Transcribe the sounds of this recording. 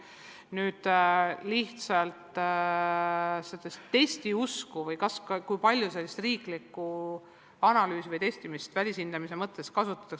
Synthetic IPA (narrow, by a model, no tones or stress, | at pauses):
nyːd̪̥liht̪sɑlt̪ | sed̪̥est̪ːe̞sʲt̪iuskuvɤjkɑskkujpɑlʲjuse̞lːist̪riːklikːˑu | ɑnɑlyːsivɤjt̪e̞st̪imist̪vælʲisind̪̥ɑmise̞mɤt̪ːˑe̞skɑsut̪ːˑɑ̥t̪ːˑɑk